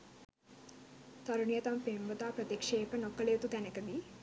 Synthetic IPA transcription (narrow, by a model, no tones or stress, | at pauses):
t̪ɐɾuɳijət̪ampemʋət̪aːpɾət̪ekʂeːpənokːəlejət̪ut̪ænəkəd̪i